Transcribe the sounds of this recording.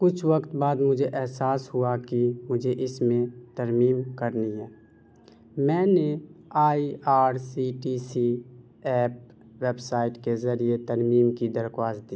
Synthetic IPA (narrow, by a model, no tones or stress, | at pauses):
kʊt͡ʃʰwəkt̪baːd̪mʊd͡ʒʱeʔɛɦsaːsɦuakimʊd͡ʒʱeʔɪsmẽt̪əɾmiːmkəɾniɦɛː | mɛ̃ːneaːiaːɾsiːʈiːsi | ɛːp̚ | weːbsaːɪʈkezəɾiet̪əɾmiːmkid̪əɾkwaːsd̪iː